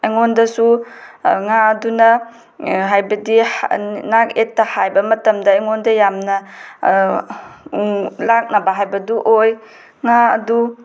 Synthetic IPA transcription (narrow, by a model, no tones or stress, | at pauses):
eŋondɐsu | ŋaɐdunɐ | ɦajbɐdinak̚etːɐhajbɐmɐtɐmdɐeŋondɐjamnɐ | lak̚nɐbaɦajbɐduʔoj | ŋaɐ̰du